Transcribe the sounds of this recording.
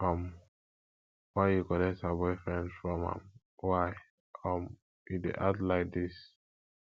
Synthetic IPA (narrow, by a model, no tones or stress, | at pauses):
ɔm | waɪjukɔlɛk̚tabɔɪfɹɛ̃ndfɹɔ̃mã̰m | waɪ | ɔm | idḛʔatlaɪk̚dis